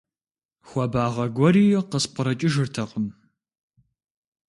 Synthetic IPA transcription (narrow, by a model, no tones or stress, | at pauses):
xʷɔbaːʁɐɡʷɔɾiːjɛqəspʷəɾɐt͡ʃʼɪʒɨrtʰɐqəm